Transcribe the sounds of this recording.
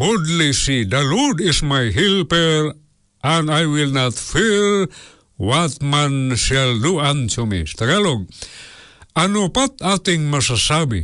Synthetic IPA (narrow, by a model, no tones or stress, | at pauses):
ɡudlisid̪alɔdismajɦilpeɾ | ʔãnajwilnat̪fi | wat̪̚mãnʃalduantomḭst̪aɡaloɡ̚ | anopat̪at̪iŋmasasabḭ